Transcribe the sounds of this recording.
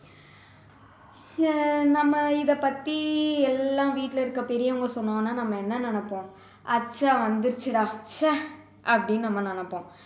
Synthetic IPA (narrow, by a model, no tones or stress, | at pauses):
nɐmːɐɪðɐpɐt̪ːiɛlːãːʋiːʈːlɐɪɾɯkːɐpɛɾɪjɐʊŋɡɐsɔnːɐːnːaːnɐmːɐɛnːɐnɐnɐpːõː | ʔɐt͡ʃːaːʋɐnd̪ɯɾɯt͡ʃːɯɽaːt͡ʃːɐ | ʔɐpːɐɽɪnːnɐmːɐnɐnɐpːõː